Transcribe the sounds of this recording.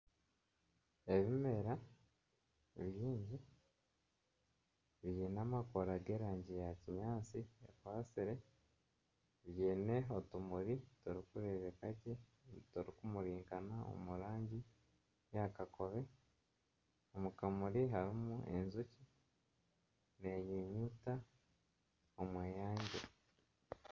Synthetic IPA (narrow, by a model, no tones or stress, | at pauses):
e̞βime̞ɾa | βjiːɲɟi | βijeːnaːmakoɾaɡe̞ːɾaːɲɟijaciɲaːt͡siḛkwaːsiɾe̞ | βjeːne̞otumuɾitoɾikuɾeβekacetoɾikumuɾiːŋkanao̰muɾaːɲɟi | jakako̞βe̞ | omukamuɾiɦaɾimuʔḛnzuci | neɲiɲuta | omweːjaːɲɟe